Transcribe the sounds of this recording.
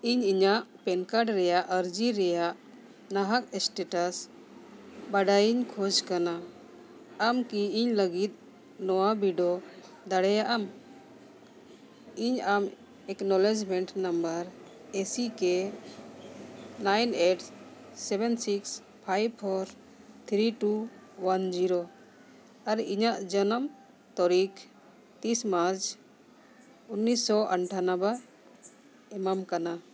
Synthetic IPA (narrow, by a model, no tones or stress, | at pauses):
iɲiɲaʔpɛnkaɖɾɛjaʔəɾd͡ʒiɾɛjaʔ | naɦak̚sʈeʈas | baɖajiɲkʰɔd͡ʒkanaː | mkiiɲləɡit̪̚ˀ | nɔwabiɖɔ | d̪aɽɛjaʔam | iɲam | ɛknɔled͡ʒmɛɳʈnambəɾ | esikɛ | najneʈʰsɛbɛnsiks | pʰajb̚pʰɔɾ | t̪ʰɾiʈuwand͡ʒiɾo | aɾiɲaʔd͡ʒənɔm | t̪ɔɾik | t̪ismaɾt͡ʃ | unːisɔʔəɳʈʰanaba | ɛmamkana